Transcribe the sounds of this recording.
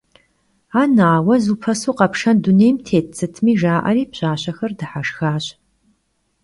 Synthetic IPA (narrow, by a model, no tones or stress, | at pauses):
aːnaːwɐzuːpʰɐsuːqɐpʂɐndʊneːjmtʰeːtt͡sʰɨtʰmiːʒaːʔɐ̰riːpɕaːɕɐxɐrdɨħaʂxaːɕ